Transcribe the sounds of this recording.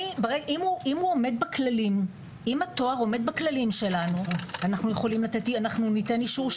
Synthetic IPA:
ibeʁeɡʔimuimhuome̞d̪̚baklalim | imato̞aʁo̞me̞d̪̚baklalimʃe̞lanuanaχnujeχo̞limlatetianaχnunitenliʃuʁʃ

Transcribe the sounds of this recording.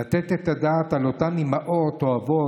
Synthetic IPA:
at̪ɛt̪et̪adaːt̪alotamimaʔotoavo

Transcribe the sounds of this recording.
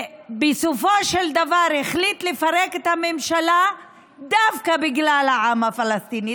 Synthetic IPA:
besofoʃeld̪avaʁeχlit̪le̞faʁeket̪hame̞mʃala | d̪avkabiɡlalhaʕamhafalast̪ini

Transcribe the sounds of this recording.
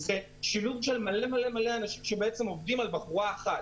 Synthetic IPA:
ze̞ | ʃiluvʃe̞lmale̞male̞male̞anaʃimʃebeet͡se̞mo̞vdimalbaχuʁaːχat

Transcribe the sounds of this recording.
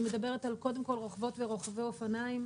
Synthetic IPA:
me̞d̪abe̞ʁetalko̞de̞mko̞lʁoχvo̞tveʁo̞χaveofanaim

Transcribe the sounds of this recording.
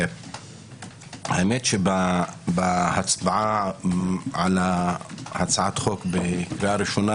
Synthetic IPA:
ha̰emet̪ʃebabahat͡sbaʕa | ʕalahat͡sʕat̪χo̞kbekɾiaɾiʃona

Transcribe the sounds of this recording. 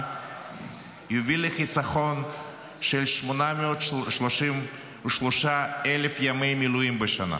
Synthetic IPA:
jovileχisaχon | ʃelʃmonameot̪ʃloʃim | uʃloʃaelefjamejmilujimbeʃana̰

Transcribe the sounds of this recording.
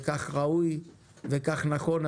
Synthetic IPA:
kaχʁauj | vekaχnaχo̞n

